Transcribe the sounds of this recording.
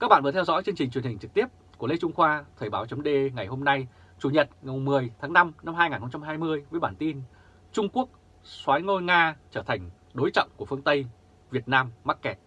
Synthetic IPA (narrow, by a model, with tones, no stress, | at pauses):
ka˦˥k̚ɓa̰ː˧˨nvːt̪ʰɛ˧wzɔ̰˧˥jt͡ɕe˧nt͡ɕï˨˩ŋ̟t͡ɕwnhï˨˩ŋ̟t͡ɕɨ˨˩k̚t̪i˦˥əp̚ku˧˩le˧t͡ɕʊ˧ŋ͡mxwaː˧t̪ʰəː˨˩jɓaː˨˦wt͡ɕə˨˦ŋ͡mɗe˧ŋa˨˩jho˧mna˧j | t͡ɕu˨˩ɲə˨˩t̚ŋa˨˩m˨˩mɨ˨˩əjt̪ʰaː˨˦ŋna˧mna˧mhaː˧jŋa˨˩nxə˧ŋ͡mt͡ɕa˧mɦaː˧jmɨ˧əjvəː˨˦jɓaː˧˩nt̪i˧n | t͡ɕʊ˧ŋ͡mku˦˥ək̚ | swaː˨˦jŋo˧jŋaː˧t͡ɕəː˧˩t̪ʰa˨˩jŋ̟ | ɗo˨˦jt͡ɕɔ̰˧˨wŋ͡mku˧˩əfɨ˧ənt̪ə˧j | vi˨˩ət̚naː˧mːa˦˥t̚kɛ˨˩t̚